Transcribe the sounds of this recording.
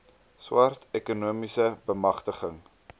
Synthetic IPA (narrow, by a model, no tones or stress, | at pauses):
swɐrtɛkunuəmisəbəmɐχtəχəŋ